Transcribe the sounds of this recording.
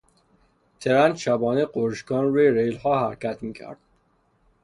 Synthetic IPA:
t̪ʰeɾænd̪ʃæbɒːneɢoɾʃkɒːnɾuːjeɾejlhɒːhæɾcʰæt̪ʰmiːcʰæ̰ɾd̪̥

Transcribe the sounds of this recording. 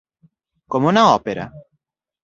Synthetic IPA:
komunaɔpeɾa̰

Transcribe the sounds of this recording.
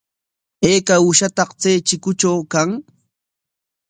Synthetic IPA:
eːkaʊʃat̪ɑqt͡sejt͡ʃɪkʊt͡ʃawkaŋ

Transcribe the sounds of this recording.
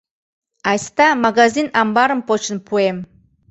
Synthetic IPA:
ɑjst̪ɑmaɡazinambɑɾəmpot͡ɕənpʰuem

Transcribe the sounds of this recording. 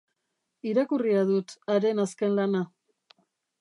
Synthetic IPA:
iɾakuriaðut̪aɾe̞naske̞nlana

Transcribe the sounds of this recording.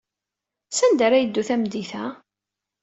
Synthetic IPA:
sænd̪æɾæjəd̪ːuθæmd̪iθæ

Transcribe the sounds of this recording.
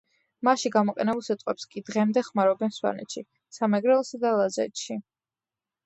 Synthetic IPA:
maʃiɡamɔqʼɛnɛbulˠsit̪ʼqʼwɛpskʼid̪ʁɛmd̪ɛχmaɾɔbɛnswa̰nɛ̰t̪ʃi | samɛɡɾɛlɔsad̪alˠazɛ̰t̪ʃi

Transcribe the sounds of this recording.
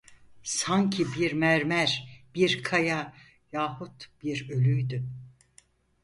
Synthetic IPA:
sancʰibiɾmæɾmæɾb̥iɾkʰaja | jaːhut̪b̥iɾø̞lʲyjd̪y

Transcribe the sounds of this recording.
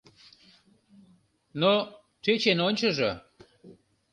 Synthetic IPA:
no | tet͡ɕenonʲt͡ɕəʒo

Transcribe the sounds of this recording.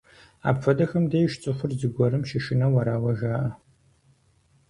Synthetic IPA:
a̰ːpfɐdɐxɐmdeːjʃt͡sʼɨχʷʊrzɨɡʷɔɾɨmʃɪʃɪnɐwɐɾaːwɐʒaːʔɐ

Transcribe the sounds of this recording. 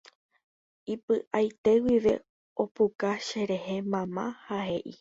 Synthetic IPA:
ipɨʔajt̪e̞wiʋe̞̰ | o̞pukaʃe̞ɾe̞he̞mãmãhahe̞ʔi

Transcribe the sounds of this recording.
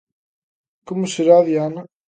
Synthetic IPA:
komoseɾaðjanɐ

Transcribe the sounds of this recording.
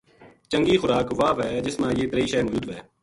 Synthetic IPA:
t͡ʃəŋɡiːxʊɾaːkʋaːʋɦɛːd͡ʒɪsmãːjeːt̪ɾeiːʃɛːmʊːd͡ʒuːd̪ʋɛː

